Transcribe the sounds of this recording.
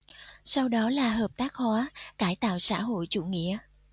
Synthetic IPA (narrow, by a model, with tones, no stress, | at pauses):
sa˧wɗɔ˨˦laː˨˩ɦəː˨˩p̚t̪aː˦˥k̚hwaː˨˦kaː˧˩jt̪a̰ː˧˨wsa̰ː˧˥ɦo̰˧˨jt͡ɕṵ˧˩ŋḭ˧˨ə